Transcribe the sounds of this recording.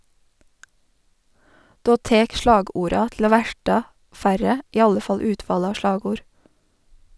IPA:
ˈdoː ˈteːk ˈʃɭɑːˌɡuːɾɑ tl̩ ˈoː ˈʋæʈɑ ˈfæɾə ˈiː ˈɑlə ˈfɑl ˈʉːtʋɑːlə ˈɑː ˈʃɭɑːɡuːɾ

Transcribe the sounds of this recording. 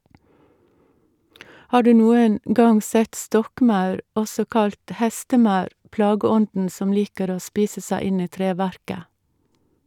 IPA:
ˈhɑː ˈɖʉː ˈnuːən ˈɡɑŋ ˈsɛt ˈstɔkˌmɑʉɾ ˈɔsɔ ˈkɑlt ˈhɛstəˌmɑʉɾ ˈplɑːɡəˌɔndn̩ ˈsɔm ˈliːkəɾ ˈoː ˈspiːsə ˈsæɪ ˈɪn ˈiː ˈtɾeːˌʋæɾkə

